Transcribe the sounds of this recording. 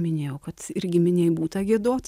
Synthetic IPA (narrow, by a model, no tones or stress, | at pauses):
mʲɪnʲeːjɛʊkɐt̪ɪɾʲɡʲɪmʲɪnʲɛɪbuːt̪ɐɡʲiɛd̪oːt̪